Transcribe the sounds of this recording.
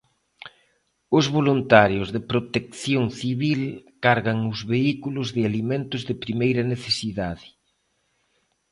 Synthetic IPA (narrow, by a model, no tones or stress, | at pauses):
ʊzβolunt̪aɾjʊzðɪpɾot̪ekθjoŋθiβilkaɾɣaŋʊzβeikulʊzðɪalimẽnt̪ʊzðɪpɾimejɾɐneθesiðaðɪ